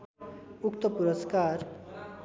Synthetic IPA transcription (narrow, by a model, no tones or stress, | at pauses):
ukt̪ʌpuɾʌskaɾ